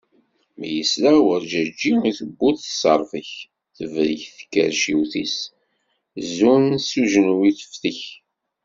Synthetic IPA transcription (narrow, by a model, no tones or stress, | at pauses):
məjəslawəɾd͡ʒæd͡ʒːiiθəbːuθsəɾˤfəç | θəvɾiçθə̥kːə̰ɾʃiwθḭs | zunsuʒnwiθə̥fθəç